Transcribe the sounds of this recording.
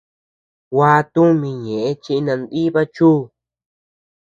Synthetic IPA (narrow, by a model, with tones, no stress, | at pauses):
waː˧t̪u˦mĩ˧ɲẽ˨ʔe˦t͡ʃi˧ʔi˧nã˧nd̪i˦βa˦t͡ʃuː˦